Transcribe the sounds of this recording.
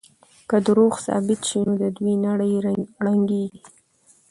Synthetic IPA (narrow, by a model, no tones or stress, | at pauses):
kəd̪əɾoxsɑ̰bɪt̪ʃinod̪əd̪wijnaɽəjɽaŋɡeɡi